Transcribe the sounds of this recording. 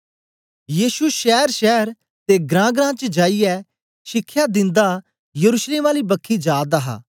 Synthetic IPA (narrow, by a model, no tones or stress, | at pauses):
jiːʃuʃɛːɾʃɛːɾ | t̪eɡɾãːɡɾãːt͡ʃəd͡ʒaːijɛ | ʃɪkʰːjad̪ɪ̃nd̪a | jəɾuʃleːmaːlibəkʰːid͡ʒaːd̪aɦa̰ː